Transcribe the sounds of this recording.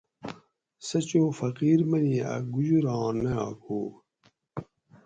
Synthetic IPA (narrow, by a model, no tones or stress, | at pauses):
sɐt͡ɕoːfɐqiːɾmɐniɐ̰ɡud͡ʑuɾɑ̃ːnɐjã̰ːkoː